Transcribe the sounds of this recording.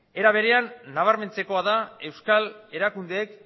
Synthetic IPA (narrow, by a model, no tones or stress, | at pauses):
e̞ɾaβ̞e̞ɾe̞anːaβ̞aɾme̞nt͡se̞ko̞aðae̞wskale̞ɾakund̪e̞ːk